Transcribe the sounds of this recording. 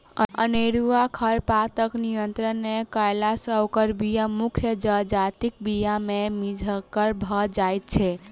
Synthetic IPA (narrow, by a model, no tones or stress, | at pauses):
ə̰ə̰neɾuakʰəɾpat̪əknijənt̪ɾənːekəjlasə̃okəɾbijamukʰjəd͡ʒəd͡ʒat̪ik̚bijamemid͡ʒʱəkːəɾbʱəd͡ʒajt̪̚t͡ʃʰɛ